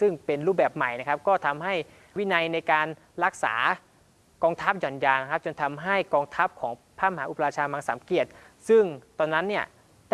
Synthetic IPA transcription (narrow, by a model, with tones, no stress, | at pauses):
sɯ˥˩ŋpe˧nɾuː˥˩bɛː˨˩p̚ma˨˩jna˦˥kʰa˦˥p̚kɔː˥˩t̪ʰa˧mɦa˥˩j | wi˦˥na˧jna˧jkaː˧n | ɾa˦˥k̚sa̰ː˩˦ | kɔː˧ŋt̪ʰa˦˥p̚jɔ˨˩njaː˧na˦˥kʰa˦˥p̚t͡ɕo˧nt̪ʰa˧mɦa˥˩jkɔː˧ŋt̪ʰa˦˥p̚kʰɔː˩˦ŋpʰaː˥˩ma˧ɦaː˩˦ʔu˨˩pa˧aː˧t͡ɕʰaː˧maː˧ŋsa̰˩˦mki˨˩ət̪̚ | sɯ˥˩ŋt̪ɔː˧nːa˦˥nːi˥˩ɐ | d